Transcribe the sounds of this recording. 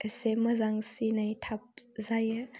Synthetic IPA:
əsemɐzaŋsinajtʰap̚zajɯ

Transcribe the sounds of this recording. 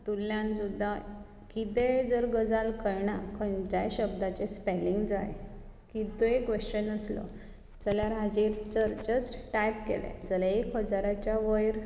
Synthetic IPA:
t̪ulːjãnsud̪ʱa | kit̪ed͡zəɾɡəd͡zalkəɾɳakʰənd͡ʑajɕəbd̪at͡ɕespeliŋɡd͡za̰jkit̪ekʋeɕt͡ɕənəslɔ̰ | d͡zəljaɾad͡ʑiɾt͡səɾt͡ɕəsʈajpkḛlḛd͡zəlaekɦəd͡zaɾat͡ɕjaʋəjɾ

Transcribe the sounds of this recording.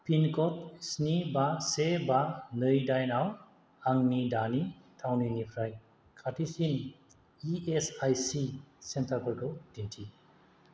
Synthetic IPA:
pinkɔtsnibasebanɯjdajnaw | aŋnidanitʰawninipʰɾaj | kʰatʰisin | iesajsisentabɔɾɡɯdintʰi

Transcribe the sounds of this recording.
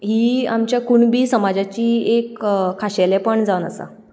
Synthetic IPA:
ɦiːamt͡ɕjakuɳbiːsəmad͡zat͡ɕiːekkʰːaɕelɛpəɳd͡zaʋnəsa̰

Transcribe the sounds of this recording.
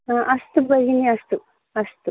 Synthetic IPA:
ʔɐst̪ubɐɾiniɐst̪u | ɐst̪u

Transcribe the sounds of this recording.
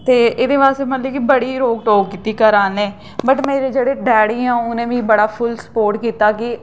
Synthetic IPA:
t̪eːɪːd̪eːʋaːst̪eːmət̪ləkibəɽiːɾoːk̚ʈoːkkiːt̪iːkəɾaːnɛ̃ː | bəʈmeːɾeːd͡ʒeːɽeːɖɛːɽiːãːʊnẽːʋĩːbəɽaːpʰʊlsə̥poːɾʈkiːt̪aːkɪ

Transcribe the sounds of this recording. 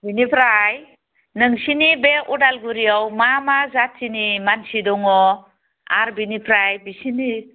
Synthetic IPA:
binipʰɾaj | nɯŋsinibeʔudalɡuɾijawmamazatsinimansidɔŋɔ | a̰ɾbinipʰɾajbisini

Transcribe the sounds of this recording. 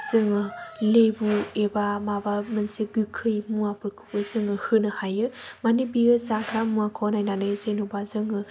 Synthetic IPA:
z̥ɯŋɯlejbuebamabamɯnsiɡɯkʰɯjmuapɯɾkʰɯ̥pɯzɯŋɯhɯnɯhajɯmanibiɯzakʰɾamuakʰonajnanɯjzenubazɯŋɯ

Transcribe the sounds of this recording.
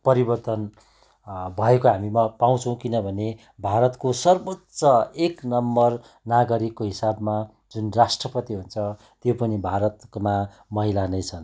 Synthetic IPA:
pʌɾibʌrt̪ʌn | bʱʌekoɦamimapaw̃t͡sʰʌ̃w̃kinʌbʱʌne | bʱaɾʌt̪kosʌrbʌtsʌeknʌmbʌr | naɡʌɾikːoɦisabma | d͡zunrasʈrʌpʌt̪iɦunt͡sʰʌ | t̪jopʌnibʱaɾʌt̪ma | mʌɦilanʌjt͡sʰʌn

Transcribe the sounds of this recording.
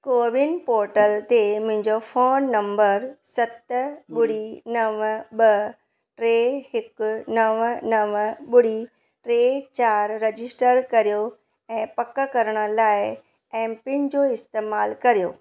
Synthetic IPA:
koːʋɪnpoːɾʈəlt̪emʊ̃ɦɪ̃ɲd͡ʑofoːnːɐ̃mbəɾsɐt̪ɓʊɽ̤inɐʋɓɐ | ʈɾeɦɪknɐʋnɐʋɓʊɽ̤i | ʈɾet͡ɕaːɾːɐd͡ʑɪsʈəɾkɐɾijo | ɛ̃ːpɐkəkɐɾəɽ̃ə̆laːɪ | ɛ̃ːmpɪ̃nd͡ʑoɪst̪eːmaːlkɐɾijoː

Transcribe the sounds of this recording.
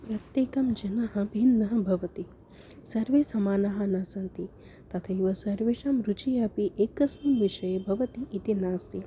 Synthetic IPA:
pɾɐt̪jeːkɐmd͡ʒɐnɐɦɐbʱinːɐɦɐbʱɐʋɐt̪i | sɐɾʋeːsɐmaːnɐɦɐ̆nɐsɐnt̪i | t̪ɐt̪ʰɐiʋɐsɐɾʋeːʂɐmɾut͡ʃijɐpiʔeːkɐsmɐmʋiʃɐjebʱɐʋɐt̪iʔːt̪inaːst̪i

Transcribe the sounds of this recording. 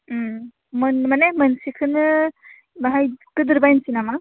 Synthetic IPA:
mɯnmanemɯnsikʰɯnɯ | baɦajkɯdɯɾbajnsinama

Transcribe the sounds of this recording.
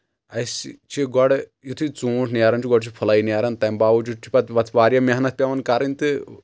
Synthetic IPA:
ɐst͡ʃʰiɡɔɽjut̪ʰut͡suːʈʰnaɾɐnt͡ʃʰiɡɔɽt͡ʃʰipʰulɐiniaɾɐnt̪ɐmbaːʋud͡ʒut͡ʃʰi̥pɐt̪ʋɐt̪ʰʋaːɾjɐmɐɦɐnɐt̪̚ʰpʲɐʋɐnkɐɾɨnʲt̪ɨ

